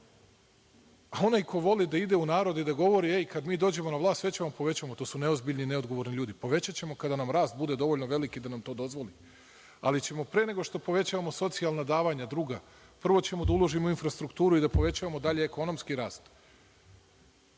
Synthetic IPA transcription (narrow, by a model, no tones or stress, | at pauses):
ao̞najko̞ʋo̞lid̪aid̪eunaːɾo̞d̪id̪aɡo̞ʋo̞ɾieikad̪miːd̪o̞ːd͡ʑe̞mo̞naʋlˠaːst̪ʋe̞t͡ɕeʋampo̞ʋe̞t͡ɕaʋamo̞t̪oːsune̞ozbiʎʲnineo̞d̪ɡo̞ʋo̞ɾniʎuːd̪ipo̞ʋe̞t͡ɕat͡ɕe̞mo̞kad̪anamɾaːst̪̚bud̪e̞d̪o̞ʋo̞ʎʲnoʋe̞likid̪anamt̪o̞ːd̪o̞zʋo̞li | a̰lit͡ɕe̞mo̞pɾe̞ne̞ɡo̞ʃt̪o̞po̞ʋe̞t͡ɕaːʋamo̞so̞t̪sialˠnad̪aːʋaɲad̪ɾuːɡa | pr̩ʋo̞t͡ɕe̞mo̞d̪aulˠoʒimouinfɾast̪ɾukt̪uːɾuid̪apo̞ʋe̞t͡ɕaʋamo̞d̪aʎeeko̞no̞mskiɾaːst̪